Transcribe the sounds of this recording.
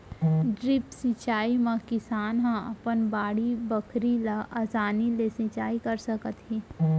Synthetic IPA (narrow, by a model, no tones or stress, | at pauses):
ɖɾɪpsɪ̃t͡ʃaːimãkɪsaːnɦãə̰pənbaːɽibəkʰɾilaʔəsaːnilesɪ̃t͡ʃaːikəɾsəkət̪ɦi